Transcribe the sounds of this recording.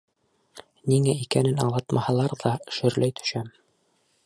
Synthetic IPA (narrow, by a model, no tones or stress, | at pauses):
niŋæikænɘnɑlˠɑt̪mʔɑhɑlˠɑɾðɑʃɵ̆ɾlæjt̪ɵ̥̆ʃæm